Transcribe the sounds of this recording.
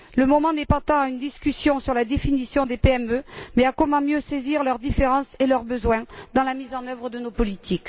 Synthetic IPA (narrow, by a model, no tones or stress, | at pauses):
ləmɔmɑ̃nɛpat̪ɑ̃aynd̪iskʲysjɔ̃syʁlad̪efinisjɔ̃d̪epeɛmømɛakɔmɑ̃mjøseziʁlœʁd̪ifeʁɑ̃selœʁbəzwɛ̃d̪ɑ̃lamizɑ̃nœvʁəd̪ənopɔlit̪ʰik